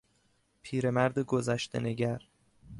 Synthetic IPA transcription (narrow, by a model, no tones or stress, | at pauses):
pʰiːɾe̞mæɾd̪eɡozæʃt̪ḛne̞ɟæɾ